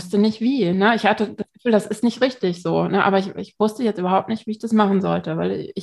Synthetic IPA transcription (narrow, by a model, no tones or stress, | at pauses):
stənɪçtv̥iːnəɪçhatəd̥asɡ̥əfyːldasɪstnɪçtʁɪçtɪçz̥oːnəʔa̰ːbɐɪçɪçv̥ʊstəjɛt͡stʔyːbɐɦaʊp̚tnɪçtv̥iːɪçd̥asmaχn̩zɔ̰ltəvaɪl̰ɪ